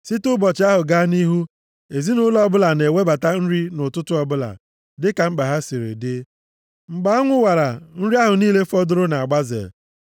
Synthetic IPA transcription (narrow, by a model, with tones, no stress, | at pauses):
si˦tʊ˦bɔ˨t͡ʃɪ˨a˦ɦʊ˨ɡaː˦ni˦ɦu˦ | e˨zi˦nʊ˦lɔ˦bʊ˦la˨ne˨we˦ba˨ta˦n̩˦ɾi˦nʊ˨tʊ˦tʊ˦ɔ˦bʊ˦la̰˨ | dɪ˦ka˨ŋ͡m̩˦ɡ͡ba˨ɦa˦si˨ɾḛ˨dɪ˦ | ŋ͡m̩˨ɡ͡ba˨˦a˦ŋʷʊ˦wa˨ɾa˨n̩˦ɾi˦a˦ɦʊ˨niː˦le˦fɔ˦dʊ˦ɾʊ˦na˨a˨ɡ͡ba˦zḛ˨